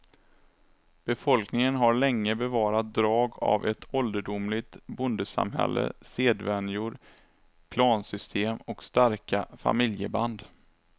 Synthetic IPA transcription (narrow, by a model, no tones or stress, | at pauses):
b̥ɛfɔlknɪŋənɦaɾɭɛŋːəbɛvɑːɾat̪̚d̪ɾɑːɡa̰vɛt̪ʰɔld̪əɖʊmlɪt̪bʊnd̪əsa̰mɦɛ̰lːə̰seːd̪vɛnjʊɾ | kʰlɑːnsʏst̪ʰeːmɔkst̪aɾkafa̰mɪljəband̪